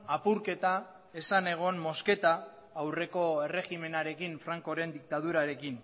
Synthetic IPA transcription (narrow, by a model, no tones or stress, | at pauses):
apuɾke̞t̪a | e̞sane̞ɣ̞o̞nmo̞ske̞t̪aː | wre̞ko̞ere̞ɣime̞naɾe̞kiɱfɾaŋko̞ɾe̞nd̪ik̚t̪að̞uɾaɾe̞kin